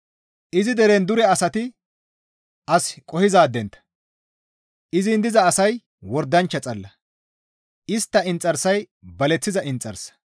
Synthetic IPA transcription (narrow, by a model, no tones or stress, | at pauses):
ʔɪzɪd̪ɛɾɛnd̪ʊɾɛɐsɐt̪ɪ | ʔɐskʼɔhɪzaːd̪ːɛnt̪ɐ̥ | ʔɪzɪnd̪ɪzɐːsɐj | wɔɾd̪ːɐnt͡ʃːɐt͡sʼɐlːɐ | ɪst̪ːɐɪnt͡sʼːɐɾsɐj | bɐlɛt͡sːɪzɐʔɪnt͡sʼːɐ̰ɾsɐ̥